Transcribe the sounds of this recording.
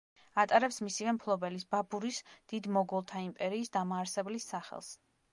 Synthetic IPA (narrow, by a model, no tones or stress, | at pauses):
at̪ʼaɾɛpsmisivɛmpʰlˠɔbɛlisbabuɾisd̪̥id̪mɔɡɔlˠt̪ʰaimpʼɛɾiːsd̪amaːɾsɛblisːaχɛ̰lˠs